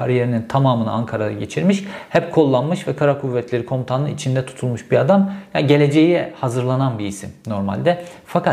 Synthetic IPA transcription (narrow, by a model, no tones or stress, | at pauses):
aɾijeɾinint̪ʰamaːmɯnɯaŋkʰaɾad̪a̰ɟe̞t͡ʃʰiɾmiʃhɛp̚kʰolˠːanmɯʃvɛkʰaɾakʰuvːɛt̪ʰlʲe̞ɾikʰo̞mt̪ʰanɯit͡ʃʰind̪ɛt̪ʰu̥t̪ʰulˠmuʃbiad̪amjaɟe̞lʲe̞d͡ʒe̞jihazɯɾlˠananbiːsḭmno̞ɾma̰lʲd̪ɛfakʰa